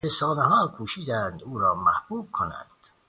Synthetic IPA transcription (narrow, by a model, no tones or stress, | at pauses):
ɾesɒːneɦɒːkʰuːʃiːd̪æːnd̪uːɾɒːmæhb̥uːb̥̚kʰonæ̰nd̪̥